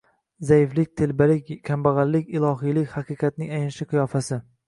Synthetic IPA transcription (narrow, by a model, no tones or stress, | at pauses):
zajɪflɪk̚ʲt̪ʰelbalɪkʲkʲʰambaʁɑlːɪkʲɪlˠɒɦijlɪkʲhaqʰɨqʰɑt̪̚nɪŋajɪnʃɪqʰɨjɒfasɪ